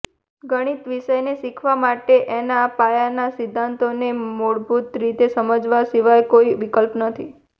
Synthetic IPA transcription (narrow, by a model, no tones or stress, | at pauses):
ɡəɽ̃it̪ʋiʃəjnesikʰʋamaʈeʔenapajanasid̪ʱːant̪onemoɭbʱut̪ɾit̪esəməd͡ʒʋasiʋajkoiʋikəlpnət̪ʰi